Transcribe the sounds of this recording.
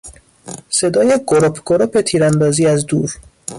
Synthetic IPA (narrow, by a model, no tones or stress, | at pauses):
se̞d̪ɒːjeɡoɾopʰɡ̥oɾopʰet̪ʰiːɾænd̪ɒːziːæzd̪uːɾ